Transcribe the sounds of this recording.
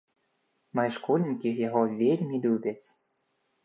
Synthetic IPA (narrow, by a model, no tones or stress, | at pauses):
mɑjʃkolʲnʲikʲijɑɣovʲelʲmid̪ubʲet͡sʲ